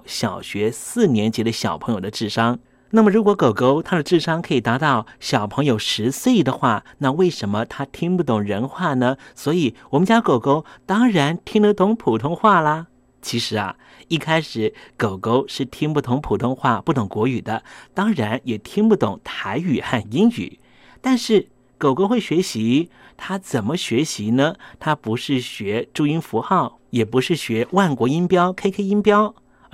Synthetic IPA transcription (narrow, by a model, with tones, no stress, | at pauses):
ɕjɑ˨˩ʊɕɥɛ˧˥sɹ̩˥˩njɛ˧˥nt͡ɕjɛ˧˥d̪ə˧ɕjɑ˨˩ʊpʰɤ˧˥ŋjo˨˩ʊd̪ə˦ʈ͡ʂɻ̩˥˩ʂɑ˥ŋ | na˥˩mə˩ɻu˧˥kwɔ˧˥ko˨˩ʊko˥ʊt̪ʰa˥d̪ə˧˨ʈ͡ʂɻ̩˥˩ʂɑ˥ŋkʰɤ˧˥i˨˩t̪a˧˥t̪ɑ˥˩ʊɕjɑ˨˩ʊpʰɤ˧˥ŋjo˨˧ʊʂɻ̩˧˥swe˥˩ɪd̪ə˨xwa˥˩na˥˧we˥˩ɪʂə˧˥mə˧t̪ʰa˥t̪ʰi˥ŋpu˥˩t̪ʊ˨˩ŋɻə˧˥nxwa˥˩nə˩swɔ˧˥i˨˩˦wɔ˨˩mə˧˦nt͡ɕja˥ko˨˩ʊko˥ʊt̪ɑ˥ŋɻa˧˥nt̪ʰi˥ŋd̪ə˧t̪ʊ˧˥ŋpʰu˨˩t̪ʰʊ˥ŋxwa˥˩lə˩ | t͡ɕʰi˧˥ʂɻ̩˧˥ɐ̰˧ | i˥˩kʰa˥ɪʂɻ̩˨˧˦ko˨˩ʊko˥ʊʂɻ̩˥˩t̪ʰi˥ŋpu˥˩t̪ʰʊ˧˥ŋpʰu˨˩t̪ʰʊ˥ŋxwa˥˧pu˥˩t̪ʊ˨˩ŋkwɔ˧˥y˨˩d̪ə˦t̪ɑ˥ŋɻa˧˥njɛ˨˩t̪ʰi˥ŋpu˥˩t̪ʊ̰˨˩˦ŋt̪ʰa˧˥ɪy˨˩xa˥˧ni˥ny̰˨˩˦ | t̪a˥˧nʂɻ̩˥˩ | ko˨˩ʊko˥ʊxwe˥˩ɪɕɥɛ˧˥ɕi˧˥ | t̪ʰa˥t͡sə˨˩mə˦ɕɥɛ˧˥ɕi˧˥nə˧t̪ʰa˥pu˧˥ʂɻ̩˥˩ɕɥɛ˧˥ʈ͡ʂu˥˧i˥nfu˧˥xɑ˥˩ʊ | jɛ˨˩pu˧˥ʂɻ̩˥˩ɕɥɛ˧˥wa˥˩nkwɔ˧˥i˥npjɑ˥ʊkʰe˥ɪkʰe˥ɪi˥npjɑ˥ʊ